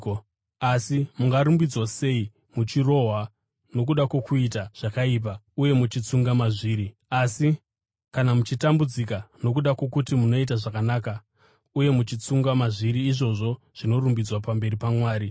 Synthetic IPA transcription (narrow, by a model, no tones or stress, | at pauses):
asimuŋɡaɾumbid͡zwase̞i | mut͡ʃiro̞ːɦa | no̞k̬uɗakwo̞kuit̬aʐ̥akaip̬auje̞mut͡ʃit͡suŋɡamaʐiːɾi | asi | kanamut͡ʃitambud͡zikano̞kuɗakwo̞kutimuno̞it̬aʐakanaːka | uje̞mut͡ʃit͡suŋɡamaʐiɾiːʐo̞ʐo̞ | ʐ̥ino̞rumbid͡zwapambe̞ɾipamwaːɾi